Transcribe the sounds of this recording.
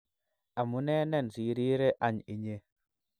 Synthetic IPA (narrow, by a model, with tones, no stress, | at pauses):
a˨mu˦ne˦ne˨nsi˨ɾi˦ɾe˦ʔa˨ɲi˨ɲe˦